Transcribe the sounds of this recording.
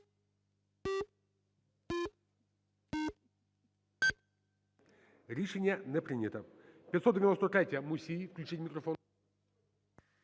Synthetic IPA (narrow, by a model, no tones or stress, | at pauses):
ɾʲɪʂɛnʲɪjənɛpɾʲinʲɪt̪əpʲɪt̪ʲsot̪dʲɪɪnost̪ət̪ɾʲat̪ʲjəmusʲifklʲʉt͡ɕitʲmʲɪkɾɐfon